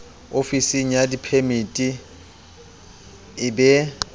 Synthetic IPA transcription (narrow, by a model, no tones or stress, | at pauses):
ofisiŋ̩jadipʰemitʼi | ɪbɛ